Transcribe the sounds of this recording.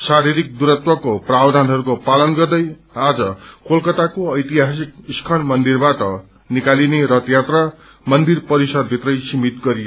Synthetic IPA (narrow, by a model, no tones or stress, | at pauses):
saɾiɾik̚d̪uɾʌt̪wʌkoprabd̪ʱanɦʌɾukopalʌnɡʌrd̪ʌj | ad͡zʌkolkʌt̪akoʌjt̪iɦas̬ik̚iskʰʌnmʌnd̪irbaʈʌ | nikalineɾʌt̪jat̪ra | mʌnd̪irpʌɾisʌd̪̚bʱit̪rʌjsimit̪ɡʌɾijo